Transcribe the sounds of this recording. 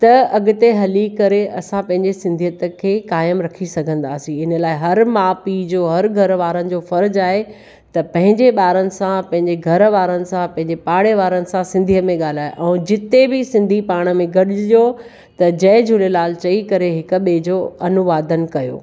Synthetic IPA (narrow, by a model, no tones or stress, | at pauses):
t̪ɐɐɡʊt̪eɦɐlikɐɾeʔɐsãpɐ̃ɦɪ̃ɲd͡ʑesɪ̃nd̪ʱijət̪kʰeːkaːjəmɾɐkʰisɐɡʱə̃nd̪aːsĩɪnəlaːɪɦɐɾmaːpid͡ʑoːɦɐɾɡʱɐɾʋaːɾənɪ̆d͡ʑoːfɐɾd͡ʑaːɦe | t̪ɐpɐ̃ɦɪ̃ɲd͡ʑeɓaːɾənɪ̆sãpɐ̃ɦɪ̃ɲd͡ʑeɡʱɐɾʋaːɾənɪ̆sãpɐ̃ɦɪ̃ɲd͡ʑepaːɽeʋaːɾənɪ̆sãsɪ̃nd̪ʱijəmẽɠaːl̤aːeʔɛ̃ːd͡ʑɪt̪ebɪsɪ̃nd̪ʱipaːɽ̃əmẽɡɐɗɪijo | t̪ɐd͡ʑɐːd͡ʑʱulelaːl̤t͡ɕɐikɐɾeɦɪk̆ɓeːd͡ʑoːɐnʊʋaːd̪ənɪ̆kɐjo̰ː